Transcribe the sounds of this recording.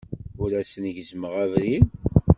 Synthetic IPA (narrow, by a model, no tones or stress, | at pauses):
uɾæsənʝzməʁævɾið